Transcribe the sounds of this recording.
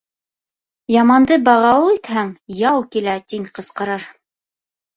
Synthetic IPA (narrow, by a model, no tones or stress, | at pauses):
jɑmɑnd̪ɤbɑʁɑwɤlˠit̪hæŋjɑwkilæt̪iŋqɤ̆sqɑ̆ɾɑɾ